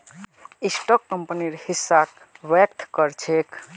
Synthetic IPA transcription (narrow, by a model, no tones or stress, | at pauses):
isʈɔkːəmpniɾhisːak | ʋekt̪ʰkəɾt͡ʃʰek